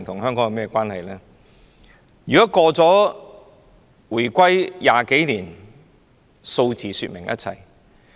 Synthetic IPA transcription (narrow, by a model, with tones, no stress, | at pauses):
ŋt̪ʰʊ˨˩ŋɦœː˥ŋkɔ˨˥ŋɐ˨˧mɛː˥kʷwʷaː˥nhɐ˨jlɛː˥ | jyː˨˩kɔ˨˥kɔː˧t͡sɔː˨˥ | wuː˨˩jkʷɐ˥jːaː˨˧ke˨˥jliː˨˩n | so˧wt͡sʰiː˨˩syː˧t̚mɪ˨˩ŋjʔɐ̰˦˥t̚t͡sʰɐ̰˨˩j